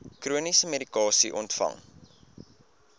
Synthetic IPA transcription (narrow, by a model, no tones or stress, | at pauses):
kruənisəmeɾikɑːsiʔɔntfɐ̰ŋ